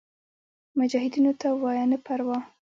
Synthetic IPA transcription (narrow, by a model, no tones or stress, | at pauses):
mʊd͡ʒɑhɪd̪inot̪awɑjɑnəpaɾwɑ